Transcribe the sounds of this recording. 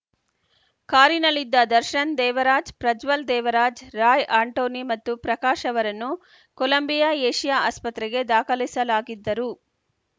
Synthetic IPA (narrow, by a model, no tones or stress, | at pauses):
kaːɾinɐlːid̪ːɐd̪ɐɾʃɐnd̪ɛːʋɐɾaːd͡ʒpɾɐd͡ʒʋɐld̪ɛːʋɐɾaːd͡ʒɾaːjaːɳʈoːnimɐt̪ːupɾɐkaːʃɐʋɐɾɐnːu | kolɐmbijɐeːʃijaaːspɐt̪ɾɛɡe̞d̪aːkʰɐlisɐlaːɡid̪ːɐɾu